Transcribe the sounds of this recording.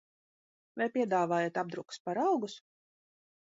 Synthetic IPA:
vɛjpʲiɛd̪aːvaːjɛt̪ab̚d̪ɾukspaɾɑwɡus

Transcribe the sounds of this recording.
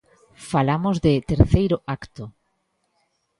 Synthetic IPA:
falamozðɪt̪eɾθejɾʊakt̪ʊ

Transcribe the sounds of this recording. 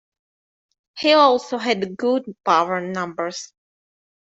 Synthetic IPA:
hiɔlˠsoɦɛdɡʊd̚pawə˞nʌ̃mbə˞s

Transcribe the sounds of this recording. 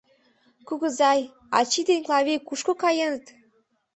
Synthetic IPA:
kuɣə̆zɑj | ɑ̰t͡ɕid̪enʲklˠɑβʲekuʃkokɑjenət̪

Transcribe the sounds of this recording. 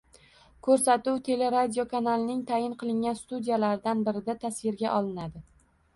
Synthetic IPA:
kʰɵɾsat̪uwt̪ʰe̞le̞ɾad̪ʲijokʰanalˠɪnɪŋt̪ʰajɪnqʰɨlˠɪŋɡʲanst̪ud̪ijalaɾɪd̪anbɪɾɪd̪at̪ʰasvɪɾɡʲaʔɒlˠɪnad̪ɪ

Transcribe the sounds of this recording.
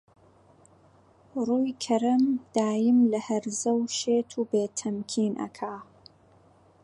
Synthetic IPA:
ruːjkʰɐɾɐmd̪̥aːjɪmlɐhɐɾzɐwʃeːt̪ʰuːbeːt̪ʰɐmkʰiːnʔɐ̰kʰaː

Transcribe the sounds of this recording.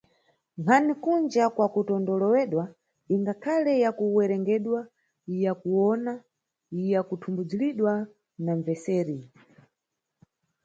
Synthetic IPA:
ŋkanikund͡ʒakwakutɔndɔlɔwɛɗwa | iŋɡakʰalɛjakuwɛɾɛŋɡɛɗwa | ijakuwɔna | ijakutʰumbud͡ziliɗwa | naɱvɛsɛːɾi

